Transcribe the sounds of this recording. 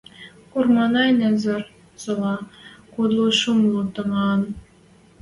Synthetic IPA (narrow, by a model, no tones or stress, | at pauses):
urmɑnɑenæzɘ̆r | z̥olɑkod̪lˠuʃumlˠut̪ɤ̆ŋɑn